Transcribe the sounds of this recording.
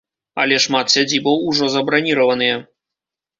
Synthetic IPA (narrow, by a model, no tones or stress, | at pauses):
ɐ̰lʲɛʂmat̪sʲad͡zʲibɐwuʐɔzɐbɾanʲiɾɐvɐnɨjɛ